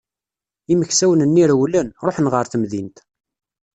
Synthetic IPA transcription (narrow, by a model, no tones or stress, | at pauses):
iməçsæwənənːiɾwlənɾˤoħnʁəɾθəmðint̪